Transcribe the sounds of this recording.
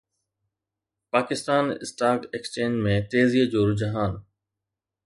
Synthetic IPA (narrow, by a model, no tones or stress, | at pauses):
paːkɪst̪aːnɪ̰sʈaːkekst͡ʃẽːɲd͡ʑmẽːt̪eːzied͡ʑoːɾʊd͡ʑəɦaːn